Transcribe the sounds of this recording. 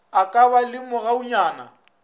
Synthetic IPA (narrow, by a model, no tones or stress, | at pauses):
akʼabalɪmʊɣaʊɲaːna̰